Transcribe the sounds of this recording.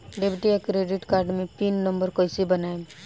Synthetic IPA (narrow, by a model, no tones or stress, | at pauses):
ɖepʈijakɾeːɖɪʈkaːɾɖmẽpinːə̃mbəɾkojsibɐnaːe